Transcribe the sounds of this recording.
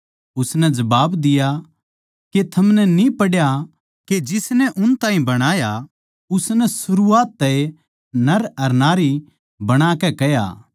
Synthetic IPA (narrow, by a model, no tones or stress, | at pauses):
ʊsnɛd͡ʒɐbaːbd̪ɪja | ket̪ʰɐmnɛnĩpɐɽja | ked͡ʒɪsnɛʔʊnt̪aːɦĩbɐɽ̃aːja | ʊsnɛsʊɾuaːt̪ːɛe | nɐɾɐɾnaːɾi | bɐɽ̃aːkɛkɛja̰ː